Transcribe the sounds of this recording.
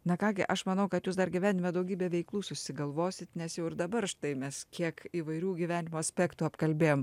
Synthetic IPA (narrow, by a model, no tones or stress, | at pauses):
nɐkɑːɡʲɪ̰ʔɐʃmɐnɐʊkɐt̪juːsd̪ɐrɡʲiʋʲæːnʲɪmʲod̪ɐʊɡʲiːbʲeːʋʲɛɪklˠuːsʊsʲɪɡɐlˠʋoːsʲɪt̪nʲɛsjɛʊɪɾd̪ɐbɐrʃt̪ɐɪmʲɛskʲiɛkiːʋɐɪɾʲuːɡʲiʋʲæːnʲɪmoːɐsʲpʲæːkt̪uːɐpkɐlʲbʲeːjoːm